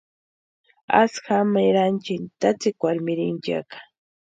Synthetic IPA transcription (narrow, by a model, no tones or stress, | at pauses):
a̰sxamajɾant͡ʃɪnt̪at͡sɪkwaɾmɪɾɪnt͡ʃa̰kḁ